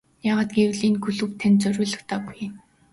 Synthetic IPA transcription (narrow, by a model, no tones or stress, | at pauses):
jaːʁaːt̪̚ɡewɮiːnkʰɵɮɵ̆wt̪ʰænt͡sœɾʲʊːɮə̆xt̪aːpuj